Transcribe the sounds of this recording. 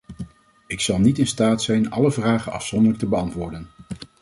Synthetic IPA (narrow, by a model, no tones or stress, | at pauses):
ɪksɑlˠnitɪnstaːtsɛjnɑ̰ləvraːχənɑ̰fsɔndəɹlək̚təbəɑntʋʊːɹdən